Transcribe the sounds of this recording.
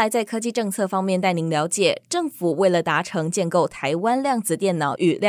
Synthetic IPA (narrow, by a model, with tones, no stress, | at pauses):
a˧˥ɪt͡sa˥˩ɪkʰɤ˥t͡ɕi˥˧ʈ͡ʂɤ˥˧ŋt͡sʰɤ˥˩fɑ˥ŋmjɛ˥˧nt̪̬a˥˩ɪni˧˥ŋljɑ˧˥ʊt͡ɕjɛ˨˩ʈ͡ʂɤ˥˩ŋfu˨˩we˥˩ɪlə˩t̪a˧˥ʈ͡ʂʰɤ˧˥ŋt͡ɕjɛ˥˧nko˥˩ʊt̪ʰa˧˥ɪwa˥nljɑ˥˩ŋt͡sɹ̩˨˩t̪jɛ˥˩nnɑ˨˩ʊʔy˨˩l